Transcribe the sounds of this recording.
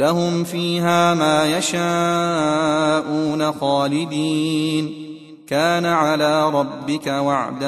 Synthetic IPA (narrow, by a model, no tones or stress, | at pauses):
laɦʊmfiːɦaːmaːjaʃaː | ʔuːnaxɑːlɪd̪iːn | kaːnaʕalaːɾˤɑbːɪkawaʕd̪a